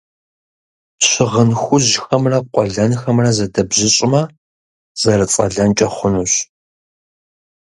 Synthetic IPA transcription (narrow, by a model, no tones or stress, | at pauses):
ɕɪʁənxʷʊʑxɐmrɐqʷʼɔɮɐnxɐmrɐzɐdɐbʑɪɕʼɪmɐ | z̥ɐrɨt͡sʼɐ̰ɮɐnt͡ʃʼɐχʷʊnuːɕ